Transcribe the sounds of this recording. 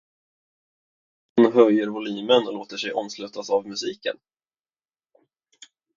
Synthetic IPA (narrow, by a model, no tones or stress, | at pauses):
hʊnɦœjːəɾvʊliːmənɔloːt̪əʂɛjʔɔmslʉ̟ːt̪asavmɵsiːkən